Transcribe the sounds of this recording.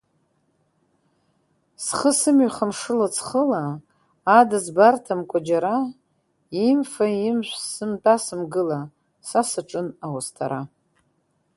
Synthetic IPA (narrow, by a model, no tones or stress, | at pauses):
sχəsɨmɥχamʂɨlat͡sʰχəlaː | dazbartʰamkʷʼad͡ʒaɾa | imfaimʃʷsɨmtʼasɨmɡɨla | sasɨʈ͡ʂʼɨnawastʰa̰ɾa